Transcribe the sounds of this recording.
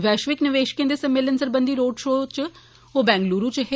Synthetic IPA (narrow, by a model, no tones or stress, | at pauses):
ʋɛːʃʋɪknɪʋeːʃkẽnd̪eːsəmeːlənsəɾbənd̪iːɾoːɖʃoːt͡ʃ | oːbɛ̃ːŋɡluːɾũːt͡ʃɦe